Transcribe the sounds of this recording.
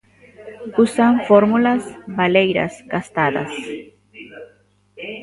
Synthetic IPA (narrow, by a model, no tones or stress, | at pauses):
usaɱfoɾmulasbalejɾa̰sɡast̪aða̰s